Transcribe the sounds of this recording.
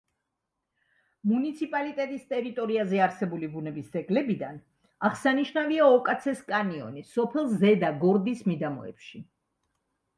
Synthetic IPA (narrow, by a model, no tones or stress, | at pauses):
munit̪sʰipʼalit̪ʼɛt̪ʼist̪ʼɛɾit̪ʼɔɾiazɛaɾsɛbulibunɛbisd̪ɛɡlɛbid̪an | aχsaniʃnaviaɔkʼat̪sʰɛskʼaniɔ̰nisɔpʰɛlˠzɛd̪aɡɔɾd̪ismid̪amɔ̰ɛ̰pʃi